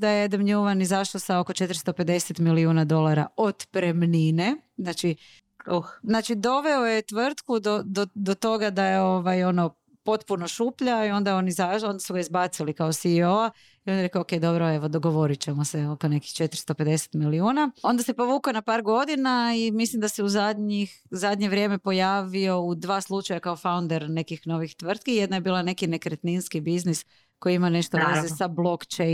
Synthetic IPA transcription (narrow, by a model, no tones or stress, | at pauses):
d̪ajed̪əmɲuʋanizaʃlosao̞kot͡ʃe̞t̪ɾst̪ope̞d̪e̞set̪miliuːnad̪o̞lˠaɾao̞d̪pɾemnine̞znaːt͡ʃi | uznaːt͡ʃid̪o̞ʋe̞ojet̪ʋr̩t̪kud̪od̪od̪ot̪o̞ɡad̪ajeo̞ʋajo̞no | po̞t̪punoʃuːpʎaio̞nd̪ao̞nizao̞nd̪asuɡaizbat̪silikaosioa | io̞njeɾe̞kaoke̞jd̪o̞bɾoe̞ʋo̞d̪oɡo̞ʋo̞ɾit͡ɕemoseokone̞kixt͡ʃe̞t̪ɾst̪o̞pe̞d̪e̞se̥t̪miliuːnao̞nd̪ase̞po̞ʋuːkonapaːɾɡo̞d̪inaimislˠimd̪aseuzad̪ɲixzad̪ɲe̞ʋɾʲje̞ːme̞po̞jaːʋio̞ud̪ʋaːslˠut͡ʃajakaofawund̪e̞ɾne̞kixno̞ʋixt̪ʋr̩t̪̚kijed̪naje̞biːlane̞kine̞kɾet̪ninskibiznis | ko̞jiimane̞ʃt̪oezesablˠo̞kt͡ʃen